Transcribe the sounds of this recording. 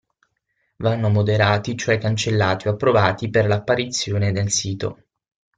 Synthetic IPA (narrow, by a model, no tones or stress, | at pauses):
vanːomod̪eɾaːt̪it͡ʃoɛkːant͡ʃelːaːt̪ioapːɾovaːt̪iperlapːaɾit̪sːjoːned̪elsiːt̪o̰